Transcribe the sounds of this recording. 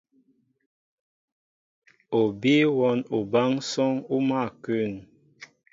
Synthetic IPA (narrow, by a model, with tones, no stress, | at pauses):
o˨bi˦wɔ˦nu˨ba˦ŋsɔ˦ŋu˦ma˦˨kʉ˦˨n